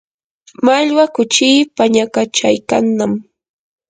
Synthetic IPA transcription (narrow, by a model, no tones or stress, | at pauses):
maʎwakʊt͡ʃiːpaɲakat͡ʃajkanːam